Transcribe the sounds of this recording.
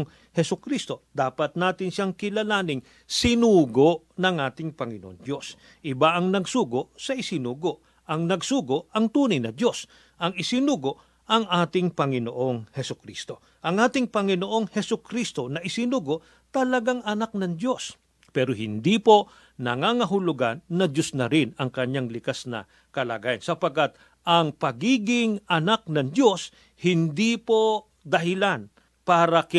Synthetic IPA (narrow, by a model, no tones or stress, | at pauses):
ŋ | hɛsʊkɾist̪o̞d̪aːpɐt̪̚naːt̪ɪnʃaŋkɪlɐlaːnɪŋ | sɪnuːɡoʔ | nɐŋʔaːt̪ɪŋpɐŋɪno̰ʔo̰ŋd̪jo̞s | ʔɪbaʔɐŋnɐɡsuːɡoʔsɐʔɪsɪnuːɡoʔ | ʔɐŋnɐɡsuːɡo̞ʔɐŋt̪uːnɐjnɐd̪jo̞s | ʔɐŋɪsɪnuːɡo̞ʔ | ɐŋʔaːt̪ɪŋpɐŋɪnoʔo̞ŋhɛsʊkɾḭst̪o̞ | ʔɐŋʔaːt̪ɪŋpɐŋɪno̞ʔo̞ŋhɛsʊkɾist̪o̞nɐʔɪsɪnuːɡo̞ʔ | t̪ɐlɐɡaŋɐnak̚nɐŋd̪jo̞s | pɛːɾoɦɪ̰nd̪ipo̞ | nɐŋaːŋɐɦʊlʊɡa̰nːɐdosnɐɾɪnɐŋkɐɲaŋlɪkasnɐ̰ | kɐla̰ːɡaːjɐnsɐpɐɡ̚kːat̪̚ | ʔɐŋpɐɡiːɡɪŋɐnak̚nɐŋd̪jo̞s | hɪnd̪ipo̞ | d̪ɐɦɪlan | paːɾɐkɪ